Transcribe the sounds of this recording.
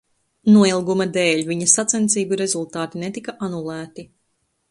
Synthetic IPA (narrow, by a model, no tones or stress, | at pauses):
nuɔilˠɡumɐd̪eːʎʲvʲiɲɐsat̪sɛnt̪siːbuiɾe̞zulˠt̪aːt̪inet̪ikaʔanulˠæːt̪i